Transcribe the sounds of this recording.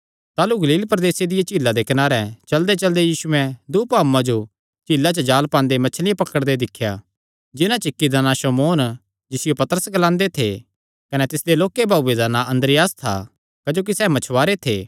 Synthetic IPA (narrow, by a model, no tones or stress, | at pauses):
t̪aːluɡɐliːlpɾɐd̪eːsed̪ɪjat͡ʃɪːlːad̪ekɐnaːɾɛt͡ʃɐld̪et͡ʃɐld̪ejiːsʊɛ̃d̪uːpaːmːãd͡ʒo | t͡ʃiːlːat͡ʃɐd͡ʒaːlpãːnd̪emɐt͡ʃʰlɪjãpɐkəɽd̪ed̪ɪkʰːja | d͡ʒɪnãt͡ʃɪkːid̪aːnaʃɐmoːn | d͡ʒɪsɪjopɐt̪əɾəsɡɐlãːnd̪et̪ʰḛ | kɐnɛt̪ɪsd̪eloːkebʱaːed̪aːnãɐ̃nd̪ɾɪjaːst̪ʰa̰ | kɐd͡ʒoːk̬isɛːmɐt͡ʃʰʋaːɾet̪ʰḛː